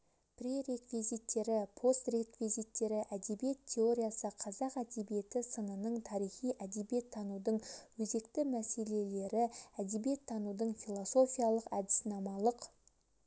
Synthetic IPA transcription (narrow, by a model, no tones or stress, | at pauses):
pre̞ɾe̞kvizit̪ːe̞ɾɪpʰo̞st̪re̞kvizit̪ːe̞ɾɪʔæd̪e̞bije̞t̪ʲʰːe̞o̞ɾʲijasəqʰɑzɑqæd̪e̞bije̞t̪ɪsənənəɴt̪ʰɑɾijχijʔæd̪e̞bije̞t̪ʰːɑnud̪əɴwɵze̞kt̪ɪmæse̞le̞le̞ɾɪæd̪e̞bije̞t̪ʰːɑnud̪əɴfilˠo̞so̞fijalˠəqæd̪ɪ̥sɪnɑmɑlˠəq